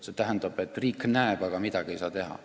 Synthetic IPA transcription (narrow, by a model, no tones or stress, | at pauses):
set̪æɦænd̪̥ɑb̥e̞t̪ːˑriːknæeb̥ɑɡ̥ɑmid̪̥ɑɡ̥iejsɑːt̪e̞ɦɑ̰